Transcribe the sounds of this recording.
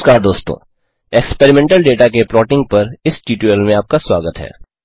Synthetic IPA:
kaːɾd̪oːst̪õ̰ː | ekspeːɾɪmẽːɳʈəlɖeːʈak̬epɾɔːʈɪ̃ŋɡ̚pɐɾɪsʈiːʈuelmẽaːp̚kaswaːɡət̪ɦɛ̰ː

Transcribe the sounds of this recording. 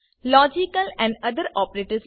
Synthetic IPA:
lɔːd͡ʒɪkəlɛ̃ɳɖʌd̪əɾɔːpəɾeːʈəɾs

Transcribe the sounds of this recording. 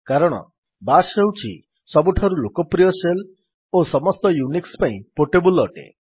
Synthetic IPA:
kaɾɔɽ̃ɔ̰ | basɦewt͡ʃʰḭ | sɔbuʈʰaɾulokɔpɾijɔsel | osɔmɔst̪ɔjunikspaĩpoʈebulɔʈḛ

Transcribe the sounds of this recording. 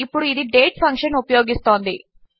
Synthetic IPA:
ipːuɽuid̪iɖe̞ːʈpʰɐŋkʂɐnupɐjo̞ːɡist̪o̞ːnd̪i

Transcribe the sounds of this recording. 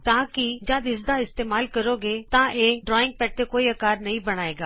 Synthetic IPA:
t̪ãːkɪd͡ʒãːd̪ɪs̬d̪aɪst̪eːmaːlkəɾoːɡeːt̪ãʔeːɖɾɔːɪ̃ŋɡ̚pɛːʈːekoːiɐkaːɾnɐɦĩːbɐɽ̃aːeːɡaː

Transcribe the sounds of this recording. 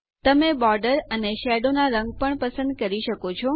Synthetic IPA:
t̪əmebɔɾɖəɾəneʃɛɖonaɾəŋɡ̚pəɳpəsə̃nd̪̚kəɾiʃəkot͡ʃʰɔ

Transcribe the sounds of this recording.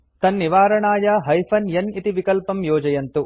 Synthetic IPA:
t̪ɐnːiʋaːɾɐɳaːjɐɦɐjpʰɐnjɐnit̪iʋikɐlpɐmjɔːd͡ʒɐjɐnt̪u

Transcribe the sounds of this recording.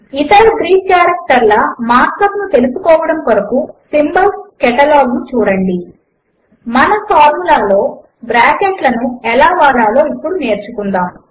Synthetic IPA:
it̪ɐɽɐɡɾiːkkjaːɾɐk̚ʈɐɾlɐmaːɾt̪ɐp̪nut̪e̞lusukɔːʋɐɽɐmpɐɾɐkusimbɐlskɛʈɐlaːɡnut͡ʃuːɾɐɳɖi | mɐnɐpaːɾmulaːlo̞ː | bɾaːkeʈlɐnuɛlaːʋaːɽaːlo̞ːipːuɽune̞ːɾt͡ʃukund̪aːmu

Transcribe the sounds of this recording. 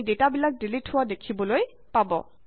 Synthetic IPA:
detabilak̚dilitʰhʊwadekʰibɔloj | pabɔ̰

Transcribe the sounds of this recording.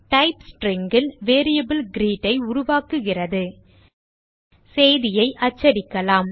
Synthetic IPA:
ʈɐɪpsʈɾɪŋɡɪlʋeːɾɪjɐbɪlɡɪɾiːʈːɐɪʊɾʊʋaːkɯɣɪrɐðɯ | sɛjðɪjɐɪʔɐt͡ʃːɐɽɪkːɐlaːm

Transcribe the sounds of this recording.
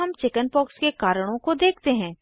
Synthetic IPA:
ɦɐmt͡ʃɪkənpɔːkskekaːɾəɽ̃õkod̪eːkʰt̪eɦɛ̃ː

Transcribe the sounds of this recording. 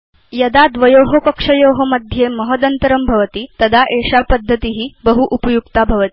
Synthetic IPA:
jɐd̪ad̪ʋəjoɦokəkʂəjoɦəməd̪ʱjeməɦəd̪ənt̪əɾəmbʱəʋət̪iːt̪əd̪aʔeʂapəd̪ʱːət̪iɦiːbəɦuʔupəjukt̪abʱəʋət̪i

